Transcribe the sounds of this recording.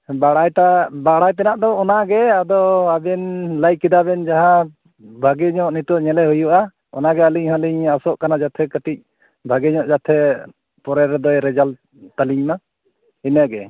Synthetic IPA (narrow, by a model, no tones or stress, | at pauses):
baɽajʈabaɽajt̪ɛnaʔd̪ɔːnaɡɛad̪ɔabɛnləjkid̪abɛnd͡ʒaɦã | bʱaɡɛɲɔʔnit̪ɔʔɲɛlɛɦujuʔa | ɔ̰naɡɛəliɲɦaliɲasɔʔkanad͡ʒat̪ʰɛkəʈic̚ | bʱaɡɛɲɔʔd͡ʒat̪ʰɛ | pɔɾɛɾɛd̪ɔjɾɛd͡ʒal | t̪aliɲma | inəɡɛ